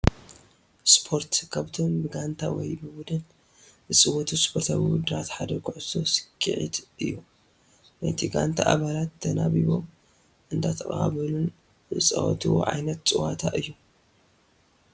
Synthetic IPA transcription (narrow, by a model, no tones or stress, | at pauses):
spʰo̞ɾt̪kʰaβt̪ʰombɨɡant̪ʰawɔ̰jbɨbud̪ɨn | zɨsʼɨwɔt̪ʰuspʰoɾt̪ʰaβiwud̪ɨɾat̪ħad̪ɐkʰʊʕɨ̥o̞sɨ̥kʼːɨ̰ʕḭt̪ʔɨjːu | nɐt̪ʰiɡant̪ʰaʔaβalat̪ːɐnaβiβo̞m | ʔɨnd̪ʰat̪ʰɐχʼa̰βɐlun | ɨt͡sʼɐ̰wɔ̰t̪ʰiwo̰ʕa̰jnɐt̪t͡sʼɨwat̪ʰaʔɨjːu